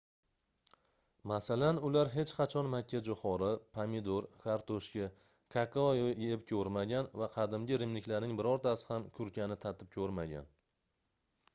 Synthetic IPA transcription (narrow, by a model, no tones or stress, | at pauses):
masalanʊlaɾɦe̞t͡ʃqɑt͡ʃʰɒnmakʲʰːad͡ʒoχɒɾɪpʰamɪd̪oɾkaɾt̪oʃkʲa | kʰakʰajepkʲʰɵɾmaɡʲanvaqʰɑd̪ɪmɡʲɪɾɪmnɪkʲlaɾnɪŋbɪɾɒɾt̪ʰasɪ̥hamkʲʰʊɾkʲʰanɪt̪ʰat̪ʰɪp̚kʲʰɵɾmaɡʲa̰n